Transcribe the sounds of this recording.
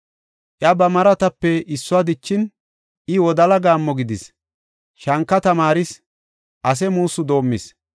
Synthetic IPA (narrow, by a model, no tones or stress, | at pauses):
ʔjɐbɐmɐɾɐt̪ɐpːɛɪsːʊad̪ɪt͡ʃːɪn | ʔɪwɔd̪ɐlɐɡaːmːɔɡɪd̪ɪs | ʃɐŋkːɐt̪ɐmaːɾɪs | ʔɐs̬ɛmuːsːʊd̪o̞ːmːɪs